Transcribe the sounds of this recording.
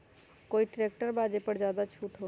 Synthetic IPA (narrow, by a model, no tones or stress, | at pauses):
koːiʈɾeːk̚ʈəɾbaːd͡ʒepəɾzjaːd̪at͡ʃʰuːʈɦoː